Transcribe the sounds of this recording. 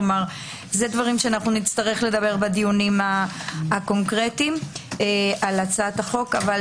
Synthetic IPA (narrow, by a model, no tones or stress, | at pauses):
maʁ | zed̪vaʁimʃeanaχnunit͡st̪aʁe̞χle̞d̪ɐbe̞ʁbed̪ijunimaː | ko̞ŋkʁetimealat͡sat̪aχo̞kaval